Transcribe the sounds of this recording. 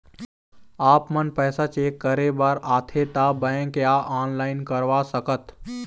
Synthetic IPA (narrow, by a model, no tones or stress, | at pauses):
aːpmənpɛːsat͡ʃeːkːəɾebəɾaːt̪ʰet̪abəẽkjaʔaːnlaːɪnkəɾʋasəkət̪